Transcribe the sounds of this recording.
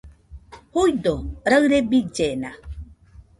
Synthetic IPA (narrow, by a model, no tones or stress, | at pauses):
hujdoɾəɰɾebid͡ʒena